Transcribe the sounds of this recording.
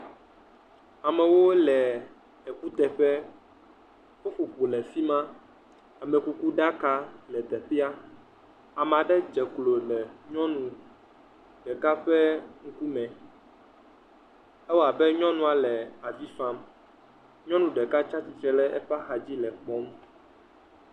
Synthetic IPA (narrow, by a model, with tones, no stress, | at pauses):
a˨mɛ̃˨wo˦lɛ˨ | ɛ˨ku˦t̪ɛ˨ɸɛ˦ | wo˦fu˨k͡pu˨lɛ˨fi˦mã˦ | a˨mɛ˨ku˦ku˦ɖa˦ka˦lɛ˨t̪ɛ˨ɸe˦a˦ | a˨m˨ã˨ɖɛ˦d͡ʒɛ˨klo˨lɛ˨ɲɔ̃˦nũ˨ | ɖɛ˨ka˦ɸɛ˦ŋ̩˦ku˦mɛ̃˨ | ɛ˦wo˦a˨bɛ˦ɲɔ̃˦nũ˦a˨lɛ˨a˨vi˦fã˦m | ɲɔ̃˦nũ˨ɖɛ˨ka˦t͡ʃa˦t͡ɕi˨t͡ʃɾɛ˨lɛ˦ɛ˦ɸa˦xa˨d͡ʑi˦lɛ˨k͡pɔ˦m